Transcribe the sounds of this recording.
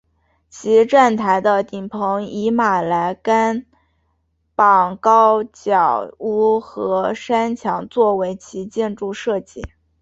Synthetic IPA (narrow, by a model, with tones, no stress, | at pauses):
t͡ɕʰi˧˥ʈ͡ʂa˥˩nt̪ʰa˧˥ɪd̪ə˧t̪i˨˩ŋpʰɤ˧˥ŋi˧˥ma˨˩la˧˥ɪka˥n | pɑ˨˩ŋkɑ˥ʊt͡ɕjɑ˨˩ʊu˥˩xɤ˧˥ʂa˥nt͡ɕʰjɑ˧˥ŋt͡swɔ˥˩we˧˥ɪt͡ɕʰi˧˥t͡ɕjɛ˥˧nʈ͡ʂu˥˧ʂɤ˥˧t͡ɕi˥˩